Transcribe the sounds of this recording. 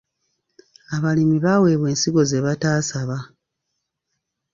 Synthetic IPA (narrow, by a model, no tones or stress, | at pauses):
aβalimiβawe̞ːβwe̞ːnsiɡo̞zeβataːsaβa